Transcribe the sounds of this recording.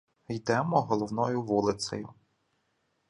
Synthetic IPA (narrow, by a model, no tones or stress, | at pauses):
jd̪ɛmɔɦɔlˠɔwnɔjʊʋulˠɪt̪sɔ̰jʊ